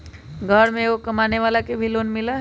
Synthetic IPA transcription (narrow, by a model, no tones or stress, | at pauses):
ɡʱəɽmẽokɐmaːneʋaːlakebʱiloːnmɪla